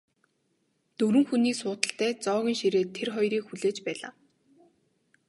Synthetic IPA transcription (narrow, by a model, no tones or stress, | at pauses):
t̪ɵɾɘ̆ŋxuniːsʊːt̪ə̆ɬt̪æːt͡sɔːɣʲĭːŋʃiɾeːt̪ʰːerχɔjɾiːkxuɮeːt͡ɕpæːɮa̰ː